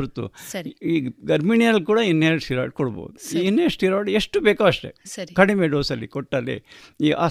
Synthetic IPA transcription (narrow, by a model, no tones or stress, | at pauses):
ɾt̪ːṵiɡɐɾmiɳijɐlkuːɽɐinːesiːɾa̰ːʈ̚kɔɽbo̰ːd̪uinːeːsiːɾaːɽieʂʈubeːkaʋɐʂʈḛsɐikɐɽimeɖoːsɐlːikɔʈːɐlːḭiʔa̰ː